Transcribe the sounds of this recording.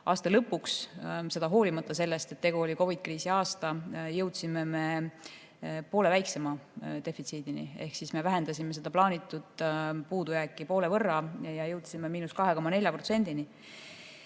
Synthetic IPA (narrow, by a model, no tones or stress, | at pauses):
ɑːst̪ɑlɤpːˑuksse̞d̪̥ɑɦo̞ːlimɑt̪ːˑɑse̞lːest̪e̞t̪ːeɡ̥uoliko̞vid̪̥̚kriːsiɑːst̪ɑjɤ̞wt̪sime̞me̞ | poːle̞væjkse̞mɑd̪̥e̞fit̪siːd̪̥inḭe̞hksisme̞væɦe̞nd̪ɑsʲime̞se̞d̪̥ɑplɑːnit̪ːˑud̪̥puːd̪ujækːˑipo̞ːle̞vɤrːɑjɑjɤwt̪simːemiːnuskɑɦe̞ko̞mːɑne̞lʲjɑpro̞t̪se̞nd̪ini